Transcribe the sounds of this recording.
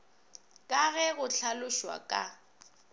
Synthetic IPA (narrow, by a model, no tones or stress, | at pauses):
kʼaɣɛɣʊɬʰalʊʃwa̰kʼa̰